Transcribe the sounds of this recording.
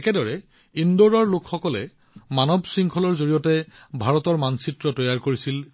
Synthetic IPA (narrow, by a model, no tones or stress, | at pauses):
ɛkɛdɔɹɛ | indoɹɔɹlokxɔkɔlɛ̰ | manɔbsɹiŋkʰɔlɔɹzoɹijɔtɛ | bʱaɹɔtɔɹmansitɹɔtɔjaɹkoɹisil